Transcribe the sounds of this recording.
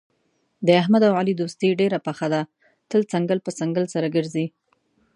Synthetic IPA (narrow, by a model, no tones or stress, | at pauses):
d̪əaɦmad̪awalid̪ost̪eɖeɾapaxad̪a | t̪əlt͡saŋɡəlpət͡saŋɡəlsaɾaɡəɾzi